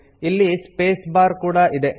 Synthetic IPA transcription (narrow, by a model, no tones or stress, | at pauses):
ilːispeːsbaːɾkuːɽaʔid̪e̞